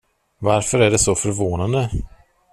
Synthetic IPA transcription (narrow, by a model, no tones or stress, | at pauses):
vaɾfœɾæɖɛsɔfœɾvoːnand̪ə